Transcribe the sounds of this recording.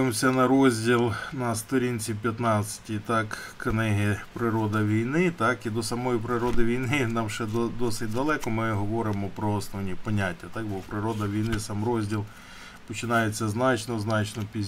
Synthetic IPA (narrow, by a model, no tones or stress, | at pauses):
mɔsʲɐnɐɾɔzʲdʲilˠnɐst̪ɔɾʲinʲt͡sʲip̬ʲjɐt̪nɑt͡sʲsʲɐ̥tʲit̪ɑkknɪɦɪpɾɪɾɔd̪ɐʋʲijnɪt̪ɑkid̪ɔsɐmɔjipɾɪɾɔd̪ɪʋʲijnɪnɑmʃɛd̪d̪ɔsɪtʲd̪ɐlˠɛkɔmɪɦɔʋɔɾɪmɔpɾɔɔsnɔʋnʲipɔnʲatʲːɐt̪ɑk̚bɔpɾɪɾɔd̪ɐʋʲijnɪsɑmɾɔzʲdʲilˠ | pɔt͡ʃɪnɑjet͡sʲːɐznɑt͡ʃnɔznɑt͡ʃnɔpʲi